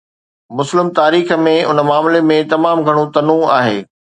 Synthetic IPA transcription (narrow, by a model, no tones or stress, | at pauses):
mʊslɪmt̪aːɾiːxmẽʊnəmaːmlemẽt̪ɐmaːmɡʱɐɽ̃õt̪ɐnũaːɦḛː